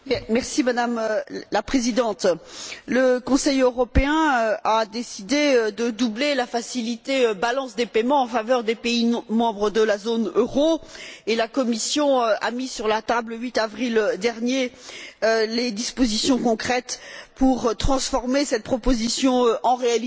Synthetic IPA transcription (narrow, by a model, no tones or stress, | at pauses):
mɛʁsimad̪amlapχezid̪ɑ̃t̪ləkɔ̃sɛjøʁɔpeɛ̃ad̪esid̪eød̪əd̪ublelafasilit̪eøbalɑ̃sd̪epemɑ̃ɑ̃favœʁd̪epeimɑ̃bʁəd̪əlazonøʁoelakɔmisjɔ̃a̰misyʁlat̪abləɥit̪avʁild̪ɛʁnje | led̪ispozisjɔ̃kɔ̃kχɛt̪puʁt̪χɑ̃sfɔʁmesɛt̪̚pχɔpozisjɔ̃øʔɑ̃ʁeali